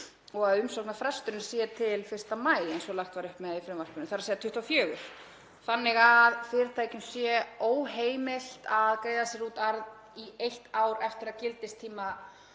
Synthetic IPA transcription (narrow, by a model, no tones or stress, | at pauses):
ɔɣaðʏmsɔwknafɾɛst̪ʏɾnɪ̥sjɛɾt̪ʰɪlfɪr̥t̪amaːjlɛnsɔlaxt̪vaːɾʏhpmɛðaifɾɛmvar̥pʏnɪmθaɾaseːðat̪ʰʏht̪awfjœːɣʏɾ̥ | θanːɪɣaðfɪɾɪt̪ʰaːjcʏnsjɛoːwɦeːjmɪl̥t̪aðkɾejðasjɛɾuːt̪aɾð | iejht̪aːwɾɛft̪ɪɾaðcɪlt̪ɪst̪ʰiːma